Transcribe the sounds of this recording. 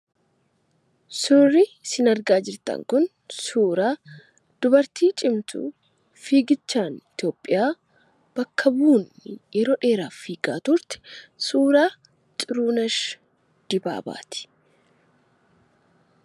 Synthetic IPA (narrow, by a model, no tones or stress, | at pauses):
sʊrisɪnɐɾɡaːd͡ʒɪɾt̪ɐ̰ŋkʊn | suːɾaː | d̪̥ʊbɐɾt̪iːt͡ʃʼɪmt̪ṵː | fiːɡɪt͡ʃːaːnɪt̪jo̞ːpʼːɪjaː | b̥ɐkːɐbuːnːɪjɛɾɔᶑe̞ːɾaːfiːɡʼa̰ːt̪ʊɾt̪ɪ̥suːɾaː | t͡ʃʼɪɾuːnɐʃ | d̪̥ɪba̰ːba̰ːt̪ɪ̥